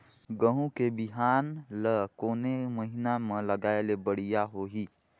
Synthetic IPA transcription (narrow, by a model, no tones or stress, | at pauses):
ɡəɦũkebɪɦaːnləkoːneməɦɪnamẽləɡaːelebəɽ̤ijaɦoɦiː